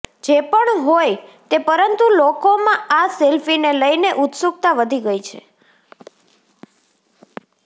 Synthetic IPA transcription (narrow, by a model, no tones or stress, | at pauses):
d͡ʒepəɳɦojt̪epəɾənt̪ulokomãʔaselfineləjneʔut̪suk̚t̪aʋəd̪ʱiɡəjt͡ʃʰḛ